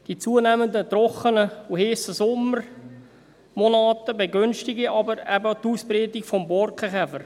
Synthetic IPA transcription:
d̥it͡suənɛmənd̪ət̪rɔχənəuheːsəsɔmːər | monɑːt̪əbeɡønʃtɪɡiʔɑbəɾɛbətuːspreːtɪkfɔmbɔɾkχəχɛfəɾ

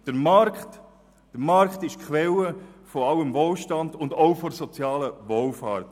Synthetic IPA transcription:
d̥əɾmɑɾkt | d̥əɾmɑɾkχtɪʃkʰʋɛləfɔɑwəmvolʃtɑndʊndoʊfɔɾsɔt͡sjɑːləʋolfɑːɾt

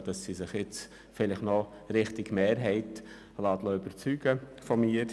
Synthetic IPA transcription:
d̥ɑsːisɪχɪt͡s | fɪlɪχnɔɾɪχtɪɡ̥meːɾɦɛɪt | lɑːt̪loybəɾt͡syːɡ̥əfɔmiːɾ

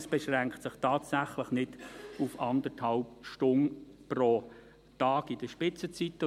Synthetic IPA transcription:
sb̥ɛʃʁɛŋktsɪχtʰɑːtsæχləχnɪd̥ufɑndəɾthɑlpʃtʊnpro | tɑːɡɪd̥əʃpɪt͡sət͡sitːə

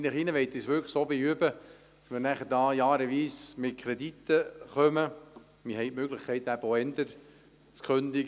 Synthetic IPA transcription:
nɪχinəʋɛɪt̪isʋʏɾkχsoːbeyəbə | d̥ɑ̥smɪɾnæχəɾdɑːjɑːɾəʋiːsmɪt̚kʰɾɛd̪it̪ːəχœmə | mɪɦɛɪtmøːɡlɪχkʰɛɪt̪æbəoɛnd̪əɾ | t͡skʰχønd̥̪iɡ

